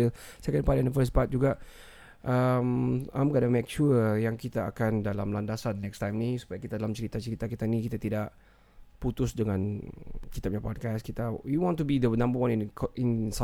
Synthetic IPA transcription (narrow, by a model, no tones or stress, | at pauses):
əsɛkənpadandəfəs̬pat̪̚d͡ʒuɡaʔ | ʔəmamkadəmek̚ʃujaŋkit̪aa̰kandalamlandasannɛkst̪ajmnisu̥pajakit̪adalamt͡ʃəɾit̪at͡ʃəɾit̪akit̪anikit̪at̪idaʔ | put̪ʊsdəŋãnkit̪ap̚ɲapɔd̚kaskit̪ajuwɔ̃ntubid̪ənãmbəwãnĩninsa